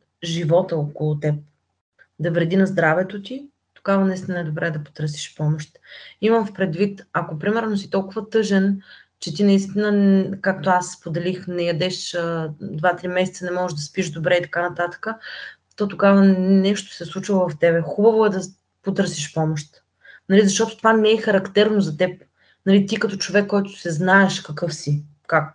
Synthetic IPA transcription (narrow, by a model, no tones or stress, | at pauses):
ʒivɔt̪əokolˠʊt̪ɛp̚ | d̪ɐvɾɛd̪inɐzd̪ɾavɛt̪ot̪i | t̪oɡavɐnɐist̪inəɛd̪obɾɛːd̪ɐpo̥t̪əɾsi̥ʃpɔmoʃt̪imɐmfpɾɛd̪vit̪ɐkopɾimɛɾnosit̪ɔlˠkʊvɐt̪ɤʒɛn | t͡ʃɛt̪inɐist̪inəkak̚t̪oasːpod̪ɛlixnɛjɐd̪ɛʃəd̪vat̪ɾimɛsɛt̪sənɛmɔʒɛʒd̪ɐspiʒd̪obɾɛit̪ɐ̥kanɐt̪at̪ə̥kə | t̪ɔt̪oɡavənɛʃt̪o̥sɛslˠut͡ʃvˠovɐft̪ɛbɛxubɐvoɛd̪ɐ | pot̪ɤɾsiʃpɔmoʃt̪ | nɐlizɐʃt̪ɔt̪ʊ̥t̪ovamɛɛxɐɾɐkt̪ɛɾnozɐt̪ɛp̚ | nɐlit̪ikɐt̪ɔt͡ʃovɛkːɔjt̪ʊ̥sɛznaɛʃkɐkɤfsi | kak̚